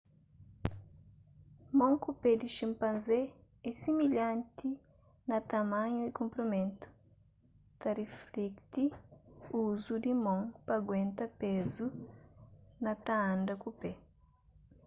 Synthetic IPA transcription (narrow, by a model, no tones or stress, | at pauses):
mõŋkuped̪iʃĩmpãnze | ɛsimiʎãnt̪i | nɐt̪amãɲuikõmpɾomẽnt̪u̥ | t̪ɐreflekt̪i | uzud̪imõŋpɐɡwẽnt̪ɐpezu | nɐt̪aãnd̪ɐkupe